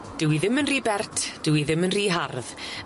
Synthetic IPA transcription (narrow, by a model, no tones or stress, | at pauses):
d̥ɪwiðɪmənriːbɛrtʰd̥ɪwiðɪmənriːɦarð